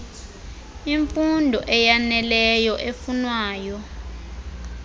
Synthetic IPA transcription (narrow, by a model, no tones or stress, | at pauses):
iɱfundʱɔʔɛjanɛlɛjɔʔefunwaːjɔ